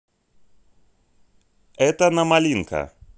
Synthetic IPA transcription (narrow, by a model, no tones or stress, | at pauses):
ɛtanamaliŋ̩kʰa̰